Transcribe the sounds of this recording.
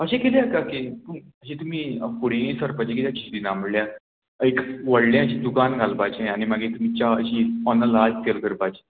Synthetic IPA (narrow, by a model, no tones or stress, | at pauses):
əɕẽkeljakaket̪u | əɕet̪um̤iːpuɽ̤eẽsəɾpat͡ɕekit̪jãkʰid̪inaməɽljã | ekʋəɽljãəɕid̪ukanɡʱalpat͡ɕeañimaɡet̪um̤it͡ɕaəɕiɔnəlad͡ztelkəɾpat͡ɕe̥